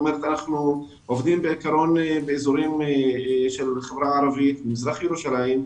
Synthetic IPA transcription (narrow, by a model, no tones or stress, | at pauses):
meɾet̪anaχnu | ʔovd̪imbeikaɾo̞nbeezuɾim | ʃelχevʁaʕaɾavit̪bemizʁaχjeɾuʃalajim